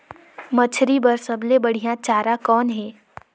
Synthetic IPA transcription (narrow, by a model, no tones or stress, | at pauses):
mət͡ʃʰɾibəɾsəblebɐɽ̤ijãt͡ʃaːɾakɔːnɦɛː